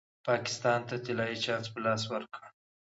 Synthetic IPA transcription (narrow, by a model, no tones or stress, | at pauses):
pɑkɪ̥st̪ɑnt̪at̪ɪlɑjit͡ʃɑnt̪pəlɑs̬wəɾka